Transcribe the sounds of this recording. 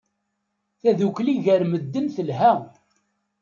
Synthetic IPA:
θæðukliʝəɾməd̪ːənθəlɦæ

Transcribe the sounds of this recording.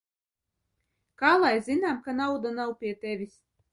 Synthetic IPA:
kaːlˠajzʲinaːmkanawd̪anawpʲiɛt̪evʲis

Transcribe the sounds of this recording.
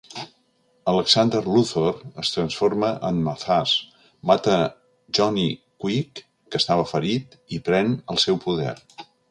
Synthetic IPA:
ələksand̪ərluθorəst̪ɾənsfoɾməʔənməθas | mat̪ə | ʒɔnikwikː | əst̪aβəfəɾit̪ipɾɛnəlˠsɛwpuðɛ̰ɾ

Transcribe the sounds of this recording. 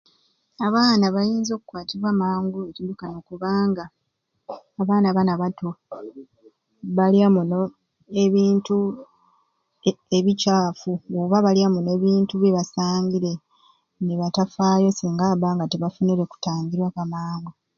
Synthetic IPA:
aβaːnaβajiːnzo̞ːkukwaːtiβwaːmaːŋɡuecidukanoːkuβaːŋɡaː | βaːnaβanaβato | βaliamuno | eβiːntu | eβicaːfuoβaβaliamune̞βiːntuβjeβasaːɲɡiɾe̞ | neβatafaːjo̞siːŋɡaβaːŋɡateβafuniɾe̞ku̥taːŋɡiɾwakamaːŋɡu

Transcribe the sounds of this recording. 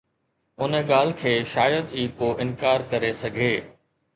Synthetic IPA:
ʊnəɠaːl̤kʰeːʃaːjəd̪iːkoːʔɪnkaːɾkɐɾesɐɡʱeː

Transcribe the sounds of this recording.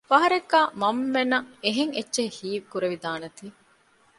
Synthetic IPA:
fɐɦɐɾekːaːmɐmːenɐeɦeŋetːʃehiːʋkuɾeʋid̪aːnɐt̪iː

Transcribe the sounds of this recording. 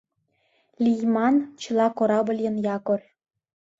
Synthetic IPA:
lʲijmɑnt͡ɕɤ̆lɑkoɾɑbə̆lʲjɤ̆njɑkor

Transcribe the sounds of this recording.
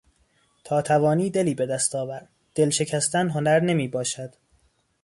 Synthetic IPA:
t̪ʰɒːt̪ʰævɒːniːd̪e̞liːbe̞d̪æst̪ʰɒːvæɾd̪ | d̪̥elʃe̞cʰæst̪ænɦonæɾne̞miːbɒːʃæd̪̥

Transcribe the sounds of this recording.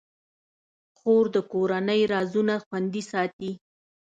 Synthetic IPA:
xoɾd̪əkoɾanəjɾɑzunaxwand̪isɑt̪i

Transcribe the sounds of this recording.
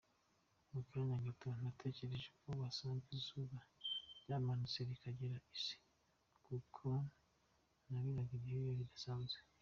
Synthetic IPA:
mukiaɲaɡetonatʰe̞ce̞ɾe̞ʒekʰowasaːɱvizuβaɾɟaːmanut͡seɾikaɟeɾaisi̥ | kukʰo | naβiɾaɡiɾeijoβid̪asaːnzɡe

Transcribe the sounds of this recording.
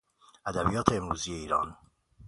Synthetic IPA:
ʔæd̪æbḭjɒːt̪ʰeemɾṵːzije̞iːɾɒ̰ːn

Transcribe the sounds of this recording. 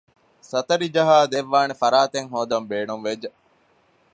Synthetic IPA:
sɐt̪ɐɾid͡ʒɐɦaːd̪eʋːaːnefɐɾaːt̪eŋɦoːd̪ɐmbeːnumʋed͡ʒɐ

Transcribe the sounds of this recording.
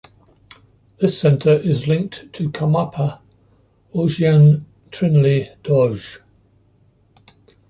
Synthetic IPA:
ðɪsɛ̃ntʰəɹɪzlɪ̃ŋk̚tʰəkʰamapʰə | ɔʒiãn | tʰɹ̥ɪ̃nlid̥ɔʒ̥

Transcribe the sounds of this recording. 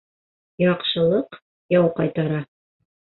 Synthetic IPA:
jɑqʃɤ̆lˠɤq | jɑwqɑjt̪ɑɾɑ

